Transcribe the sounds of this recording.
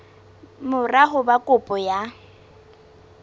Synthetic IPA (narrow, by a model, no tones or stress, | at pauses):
mʊraɦʊbakʼʊpʼɔja